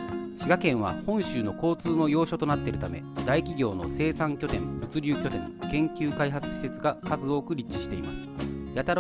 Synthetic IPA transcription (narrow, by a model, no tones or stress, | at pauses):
ɕiɡakẽ̞ɰ̃βa̰hõ̞ɰ̃ɕɨːno̞ko̞ːt͡sɨːno̞jo̞ːɕo̞t̪o̞nat̪ːeɾɯ̟t̪ame̞̰d̪aikʲiɡʲo̞ːno̞̰se̞ːsãŋkʲo̞t̪ẽ̞ɸɯ̟t͡sɨɾʲɨːkʲo̞t̪ẽ̞̰ŋkẽ̞ŋkʲɨːkaiɦat͡sɨ̥ɕi̥se̞t͡sɨɡakazɨo̞ːkɯ̟ɾʲit͡ɕt͡ɕiɕi̥t̪e̞ima̰sɨ̥jat̪aɾ